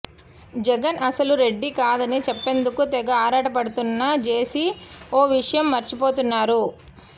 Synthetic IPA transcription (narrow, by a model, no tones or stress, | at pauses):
d͡ʒɛɡɐnɐsɐluɾe̞ɖːikaːd̪ɐnit͡ʃɛpːe̞ːnd̪ukut̪ɛɡɐaːɾaːʈɐpɐɽut̪unːɐt͡ʃe̞ːsioːʋiʂɐjɐmːɐɾt͡ʃipo̞ːt̪unːaːɾu